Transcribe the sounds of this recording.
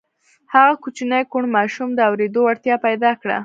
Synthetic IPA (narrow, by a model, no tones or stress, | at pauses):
haɣakut͡ʃinəjkoɳmɑʃumd̪əawɾed̪oaɽt̪jɑpajd̪ɑkɽa̰